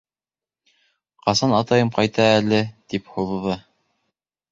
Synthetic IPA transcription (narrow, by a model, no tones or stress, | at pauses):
qɑsɑnɑt̪ɑjɤmqɑjt̪ɑælɘt̪iphuððɤ